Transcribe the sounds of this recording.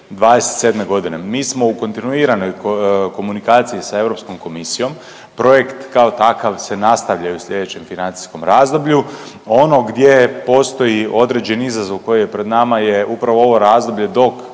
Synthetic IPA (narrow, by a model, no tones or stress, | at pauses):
d̪ʋaːd̪eset̪se̞d̪me̞ɡo̞d̪ine̞miːsmo̞uko̞nt̪inuiːɾanojko̞munikaːt̪siisae̞vɾopsko̞mko̞misijo̞m | pɾo̞je̞kt̪kao̞t̪akaʋse̞nast̪aʋʎajuslʎʲe̞d̪et͡ɕe̞mfinant̪i̥sko̞mɾaːzd̪o̞bʎu | o̞no̞ɡd̪je̞po̞st̪o̞jio̞d̪ɾe̞d͡ʑe̞nizazoʋko̞jijepɾe̞d̪namajeʔupɾaʋoo̞ʋo̞ɾaːzd̪o̞bʎe̞d̪o̞k